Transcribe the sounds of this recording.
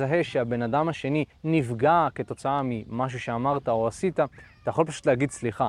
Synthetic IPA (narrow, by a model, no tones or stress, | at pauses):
zaɦe̞ʃeabe̞nadamaʃe̞ninivɡake̞t̪o̞t͡saamimaʃ̬uʃe̞amaʁtaoasitat̪ajaχxo̞lpaʃu̥t̪leaɡidsliχa